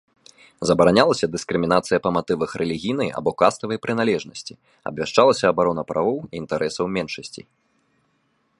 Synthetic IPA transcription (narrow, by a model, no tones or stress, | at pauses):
zɐbɐɾanʲalˠɐsʲɐd̪ɨskɾɨmʲinat̪sɨjɐpɐmat̪ɨvɐxɾʔɛlʲiɣʲijnɨja̰bɔkast̪ɐvɐjpɾɨnalʲɛʐnɐsʲt͡sʲi | ɐ̰bʲvʲaʂt͡ʂalˠɐsʲɐːbaɾɔnɐpɾʔavɔwiːnt̪aɾʔɛsɐwmʲɛnʂɐsʲt͡sʲḭ